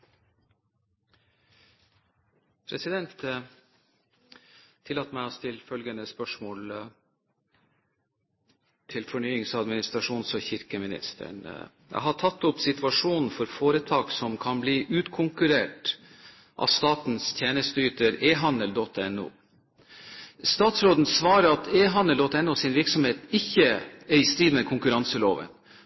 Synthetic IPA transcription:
pʰɾɛsɪd̪ɛnt̪ | ɪlːɑt̪mæɪɔst̪ʰɪlfœlɡənəspœʂmoːl | t̪ʰɪlfɔɳyːɪŋsɑd̪mɪnɪst̪ɾɑʂuːnsɔçɪɾkəmɪnɪ̰st̪ʰə̰ɳ | jæ̰ɪɦɑʈʰɑt̪ːʊpsɪt̪ʉɑʂuːnn̩fɔɾfoːɾət̪ʰɑːksɔmkʰɑnbliːʔʉːt̪kʰʊŋkʉɾeːʈ | ʔɑ̰st̪ɑːt̪n̩st̪ʰjeːnəst̪əyːt̪əɾeːɦɑnd̪əld̪ɔt̪ːɛnṵː | st̪ɑːt̪sɾoːd̪n̩sʋɑːɾəɾɑt̪eːɦɑnəld̪ɔt̪ːɛnːuːsɪnʋɪɾksɔmheːt̪ɪçːəæɾɪst̪ɾiːd̪mɛkʰʊŋkʉɾɑnsəloːʋə̰n

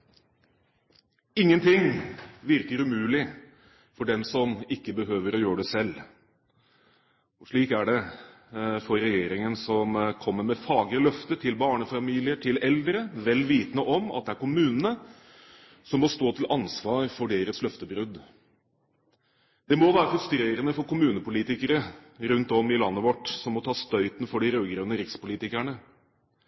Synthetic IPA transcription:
ɪŋːənt̪ʰɪŋʋɪɾkəɾʉmʉːlɪ | fɔɖɛmsɔmɪkːəbəɦøːʋəɾɔjøːəɖɛsɛlː | ɔʂɭiːkæɖɛ | fɔɾɾɛjeːɾɪŋənsɔmkʰɔmːəmɛfɑːɡɾəlœft̪ət̪ʰɪlbɑːɳəfɑmiːlɪəʈʰɪlɛld̪ɾəʋɛlʋiːt̪nəʔɔmɑ̰t̪d̪ɛæɾkʊmʉːnənə | sɔmːɔst̪oːt̪ʰɪlʔɑnsʋɑːɾfɔɖeːɾəslœft̪əbɾʉd̪ | d̪̥ɛmɔʋæːɾəhʉst̪ɾeːɾənəfɔɾkʊmʉːnəpʊliːt̪ɪkəɾəɾʉnt̪ɔmɪlɑnːəʋɔʈːsɔmɔt̪ʰɑːst̪œʏt̪n̩fɔɖɪɾøːɡɾœːnəɾɪkspʊliːt̪ɪkæɳə

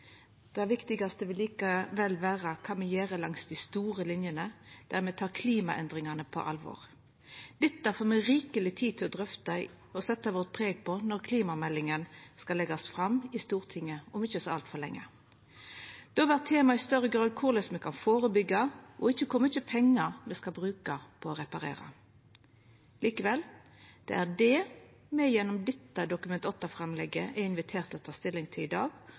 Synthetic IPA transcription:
d̪̥ɛæʋɪkt̪ɪɡɑst̪əʋɪlːiːkəʋɛlːʋæːʁəkʰɑːmɛjeːʁəlɑŋsd̪ɪst̪uːʁəlɪnjənəd̪̥æʁmɛt̪ʰɑːkʰliːmɑ̰ʔɛ̰nd̪ʁɪŋɑnəpʰɔ̰ʔɑ̰lʋɔ̰ːʁ | d̪̥ɪt̪ːɑfoːmɛɾiːkəlɪt̪ʰiːd̪̚t̪ʰɪlɔd̪ʁœft̪ɑ | ɔsɛt̪ːɑʋoːʁt̪̚pʰʁeːɡ̚pʰɔnɔɾkʰliːmɑmɛlːɪŋənskɑlːɛɡɑsfʁɑmɪst̪uːʁt̪ʰɪŋːəɔmɪçːəsɔɑ̰lt̪fɔʁlɛ̰ŋːə̰ | d̪̥oːʋæːʁt̪ʰeːmɑɪst̪œɾːəɡɾɑːd̪̚kʰʊʁlɪsmɛkʰɑnfoːɾəbʏɡɑʔɔɪçːəkʰʊmɪçəpʰɛŋːɑɾmɛskɑbʁʉːkɑpʰɔɔɾɛpɑɾḛːɾɑ̰ | liːkəʋɛl | d̪̥ɛ̰æʁdɛ | mɛjɛnːɔmd̪ɪt̪ːɑd̪ʊkʉmɛnt̪ɔt̪ːɑfɾɛmlɛɡəʔɛɪnʋɪt̪ʰeːʁt̪ɔt̪ʰɑːst̪ɪlːɪŋt̪ʰɪlɪd̪ɑ̰ːɡ

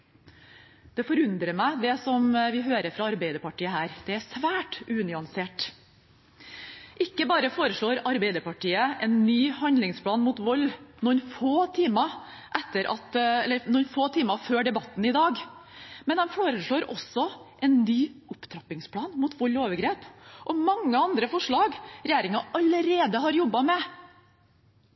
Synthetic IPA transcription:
d̪̥ɛfɔɾʉnd̪ɾəmæɪd̪ɛsɔmʋɪɦøːɾəɾfɾɑɑɾbɛɪd̪əɾpɑʈʰiːəɦæːɾd̪̥ɛæsʋæːʈʉːnʏɑnseːʈ | ʔɪkːəbɑːɾəfoːɾəʂɭoːɾɑɾbæɪd̪əɾpɑʈʰiːəʔɛnːyːhɑnd̪lɪŋspʰlɑːnmʊːt̪ʋɔlːnunfoːt̪ʰiːmə | ʔɛt̪ːəɾʔɑ̰t̪ɛlːəɾnʊnfoːt̪ʰiːmɑføːɖɛbɑt̪ːn̩ɪd̪ɑːɡmɛnd̪ɛmfoːɾəʂɭoːɾɔsɔʔɛnnyːʊpt̪ʰɾɑpːɪŋspʰlɑːnmuːt̪ʋɔlːoːʋəɾɡɾeːpʔɔmɑŋːəɑnd̪ɾəfɔʂɭɑːɡɾɛjeːɾɪŋɑɑləɾeːd̪əɦɑɾjɔbːɑmɛ

